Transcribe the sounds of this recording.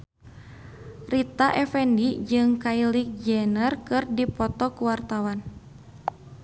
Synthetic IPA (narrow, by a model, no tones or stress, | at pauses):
rit̪aʔɛfɛndid͡ʒɨŋkailik̚d͡ʒɛnərkɨrdipɔt̪ɔkuwart̪awan